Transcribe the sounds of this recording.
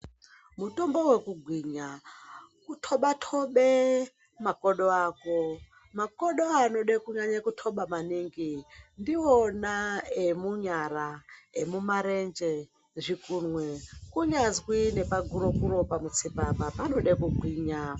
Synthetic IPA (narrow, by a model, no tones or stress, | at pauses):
mutombowekuɡʱwiɲa | kutʰoɓatʰoɓe | makoɗoaːko | makoɗoanoɗekuɲaɲakutʰoɓamaniŋɡindionaemuɲaɾaemumaɾend͡ʒe | ʐikunwekuɲazwine̞paɡʱuɾokuɾo̞pamut͡sipapapano̞ɗekuɡʱwiːɲa